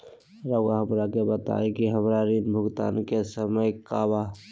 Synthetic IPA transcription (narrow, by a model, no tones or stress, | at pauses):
ɾəɡɦəmɾakebət̪a̰ːekiɦəmɾaɾinbʱʊɡt̪a̰ːnkesəməjkaba